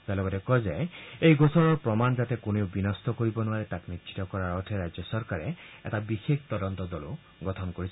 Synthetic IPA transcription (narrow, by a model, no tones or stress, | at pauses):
d͡ʒalɔɡɔtekɔzeejɡosɔɾɔɹpɾɔmanɔd͡ʒat̪ekunewbinɔst̪ɔkoɾibɔnuaɾet̪aknit͡ʃʰi̥tɔkɔɾaɾɔʈʰeɾad͡ʒjɔsɔɾkaɾeɛ̰tabixekʰt̪ɔdɔnt̪ɔd̪ɔlṵ | ɡɔtʰɔnkoɾit͡ʃʰ